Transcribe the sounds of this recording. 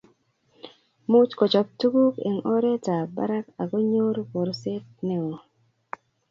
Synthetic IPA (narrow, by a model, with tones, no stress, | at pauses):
mu˦t͡ʃko˨t͡ʃɔ˨p̚tu˦ɡu˦kḛ˨ŋʔɔ˦ɾe˦ta˨ba̰˦ɾa˦ka˨ɡo˦ɲo˦ɾko˨ɾse˦t̚ne˦wo˨